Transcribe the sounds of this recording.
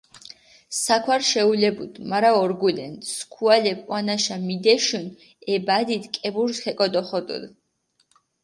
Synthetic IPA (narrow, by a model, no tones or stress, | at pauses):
sakʰwaɾʃɛulɛbud̪maɾaɔɾɡulɛ̰nt̪skʰualɛpʼwanaʃamid̪ɛʃun | ɛbad̪it̪kʼɛbuɾshɛkʼɔd̪ɔχɔd̪ṵd̪